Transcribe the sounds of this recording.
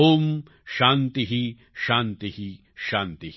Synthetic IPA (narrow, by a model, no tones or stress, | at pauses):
oːm | ʃãːnt̪iɦi | ʃãːnt̪ihi | ʃãːnt̪i